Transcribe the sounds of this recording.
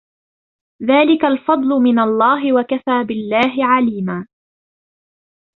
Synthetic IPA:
ðaːlɪkalfɑd̪ˤlʊmɪnalˤːɑːɦɪwakafaːbɪlːaːɦɪʕaliːmaː

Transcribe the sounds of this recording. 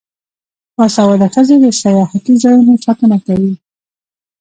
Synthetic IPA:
wasawad̪axəzed̪əsajɑhat̪izɑjunot͡ʃakənakawi

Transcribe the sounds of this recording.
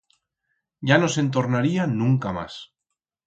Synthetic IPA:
ɟ͡ʝano̞se̞nt̪̬o̞ɾnaɾianũŋkama̰s

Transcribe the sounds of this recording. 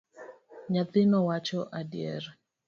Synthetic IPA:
ɲat̪ɪnɔwat͡ʃɔʔadjɛ̰ɾ

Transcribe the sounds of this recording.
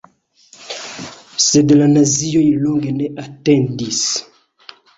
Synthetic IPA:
sed̪elanaziɔ̃ilɔ̃ŋɡeneʔat̪ɛ̃nd̪is

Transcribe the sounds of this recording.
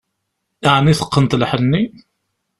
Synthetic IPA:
iʕnːiθə̥qːənt̪lħənːi

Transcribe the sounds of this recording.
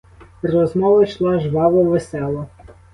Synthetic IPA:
rɔzmɔʋɐjʃlˠɑʒʋɑʋɔʋesɛlˠɔ

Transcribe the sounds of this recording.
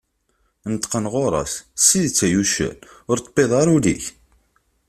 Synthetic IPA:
nət̪qənʁoɾˤɑ̰ssiðt͡sːæjuʃə̰lʊɾt̪ːə̥beðˤɑɾˤulḭç

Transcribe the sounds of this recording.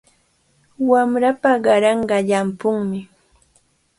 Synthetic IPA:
wamɾapaɢɑɾɑɴɢɑʎampʊŋmɪ

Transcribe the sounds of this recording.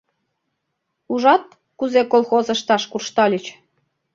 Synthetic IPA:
uʒɑt̪̚ | kuzekolˠxozə̆ʃt̪ɑʃkurʃt̪ɑlʲət͡ɕ

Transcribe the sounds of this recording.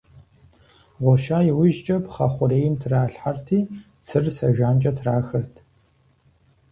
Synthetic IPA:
ʁʷɔʃaːjɪwɪʒt͡ʃʼɐpχɐχʷʊɾeːjɪmtʰraːɬħartʰiː | t͡sʰɨrsɐʒʷaːnt͡ʃʼɐtʰraːxɐtʰ

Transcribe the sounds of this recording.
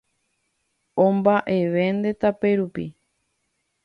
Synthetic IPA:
õmbaʔe̞ʋe̞nd̪e̞t̪apeɾupḭ

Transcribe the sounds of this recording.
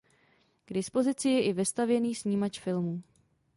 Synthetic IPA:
ɡ̥dɪspo̞zɪt͡sɪjɛʔɪvɪst̪avjɛniːsɲiːmat͡ʃfɪlmuː

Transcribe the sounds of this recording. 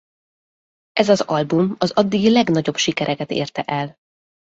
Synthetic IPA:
ʔɛzɒzɒlbumɒzɒd̪ːiɡilɛɡnɒɟo̞bʃikɛɾɛkɛt̪ḛːrt̪ɛʔɛl

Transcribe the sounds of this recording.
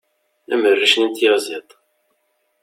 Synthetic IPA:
æ̰mərːiʃnənt̪jəʁzit̪ˤ

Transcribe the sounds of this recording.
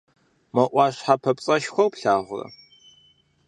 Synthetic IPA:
mɐʔʷɑɕħapʰɐpʼt͡sʼɐʃxʷɐwpɬaːʁʷʊrɐ̰

